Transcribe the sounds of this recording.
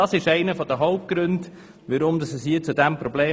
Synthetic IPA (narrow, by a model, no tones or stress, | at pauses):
ɑsɪʃɛɪnəfɔd̪əɦɔʊp̚t̚ɡ̥ɾʉnd | ʋəɾʊmd̪ɑsəshiːt͡sud̪æmpɾɔbleː